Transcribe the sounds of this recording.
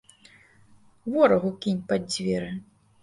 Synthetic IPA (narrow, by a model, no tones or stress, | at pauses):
vɔɾɐɣukʲinʲpadʲd͡zʲvʲɛɾɨ